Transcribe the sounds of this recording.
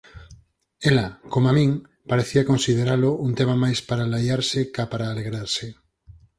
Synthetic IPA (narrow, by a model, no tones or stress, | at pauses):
elakomamĩŋ | paɾeθiakonsið̞eɾalʊunt̪emamajspaɾalajaɾsɪkapaɾaːleɣɾaɾsɪ